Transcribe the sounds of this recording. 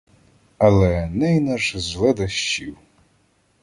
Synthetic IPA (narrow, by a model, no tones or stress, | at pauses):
ɐlˠɛnɛjnɐʐzlˠɛd̪ɐʃt͡ʃiw